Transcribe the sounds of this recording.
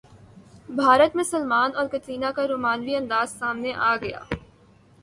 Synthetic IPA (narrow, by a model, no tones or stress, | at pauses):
bʱaːɾət̪mẽsəlmaːnɔːɾkɐt͡ʃiːnakaɾoːmaːnʋiɐ̃nd̪aːzsaːmneʔaːɡɐja̰ː